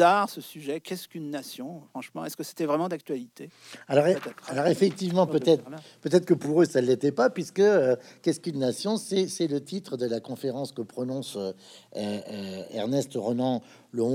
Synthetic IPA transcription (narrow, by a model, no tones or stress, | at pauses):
aʁsəsyʒɛkʲɛskynːasjɔ̃fχɑ̃ʃmɑ̃ɛskəse̥t̪ɛvʁɛmɑ̃d̪ak̚t̪ɥalit̪e | alɔʁɛalɔʁefɛk̚t̪ivmɑ̃pøt̪ɛt̪χpøt̪ɛt̪χəkəpuʁøsalːet̪ɛpapɥiskəøkʲɛskynːasjɔ̃sɛsɛlət̪it̪χəd̪əlakɔ̃feʁɑ̃skəpχɔnɔ̃sø | øɛ̰ʁnɛst̪əʁɔnɑ̃ | ləɔ̃